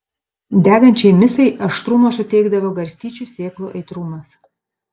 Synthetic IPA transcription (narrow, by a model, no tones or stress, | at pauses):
d̪ʲæːɡɐnʲt͡ʃʲɛɪmʲɪsɐɪʔɐʃt̪ɾuːmoːsʊt̪ʲɛɪɡd̪ɐʋoːɡɐɾʲsʲt̪ʲiːt͡ʃʲusʲeːklˠo̰ːʔɛɪt̪ɾuːmɐs